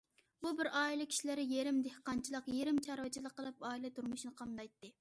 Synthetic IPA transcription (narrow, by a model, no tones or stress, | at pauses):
bubɪɾɑːilˠɪkʲʰi̥ʃilɪɾɪjeɾɪmd̪ehqɑnt͡ʃʰilˠəqjeɾɪmt͡ʃʰɑɾwɨt͡ʃʰilˠəqːəlˠɨpɑːilɛt̪ʰuɾmuʃnɨqʰɑmd̪ɑjt̪ːɨ